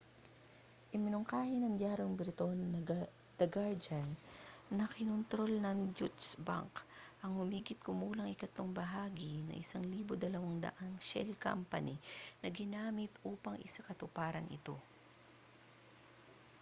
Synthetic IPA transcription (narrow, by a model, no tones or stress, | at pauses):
ʔɪmɪnoŋkaːhɪnɐŋd̪jaːɾoŋbɪɾt̪on | d̪̥ɐɡaɹd͡ʒanːɐkɪnʊnt̪ɾo̞lnɐŋd͡ʒut͡ʃsba̰ŋkʔɐŋhʊmiːɡɪt̪̚kʊmuːlɐŋʔɪkɐt̪loŋbɐɦaːɡɪnɐ̰ʔɪsaŋliːbod̪ɐlɐwaŋd̪ɐ̰ʔaŋʃɛ̰lka̰mpɐ̰ninɐɡɪnaːmɪt̪ʔuːpɐŋʔɪsakɐt̪ʊpaːɾɐŋʔɪ̰t̪o̞̰